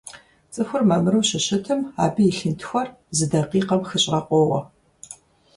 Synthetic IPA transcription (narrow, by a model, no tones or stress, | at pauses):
t͡sʼɨxʷʊrmɐmɨɾɨwɕɪɕɪtʰɨma̰ːbijɪɬɨntʰxʷɔr | zɨdɐqiːqɐmxɨɕʼrɐqʷʼoːwɐ̰